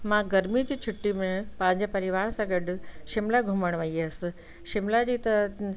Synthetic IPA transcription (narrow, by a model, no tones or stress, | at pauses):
mãɡɐɾmid͡ʑiːt͡ɕʰʊʈːimẽpɐ̃ɦɪ̃ɲd͡ʑapɐɾɪʋaːɾsãɡɐɖ̆ʃɪmlaɡʱʊməɽ̃ʋɐies̆ | ʃɪmlad͡ʑiːt̪ɐ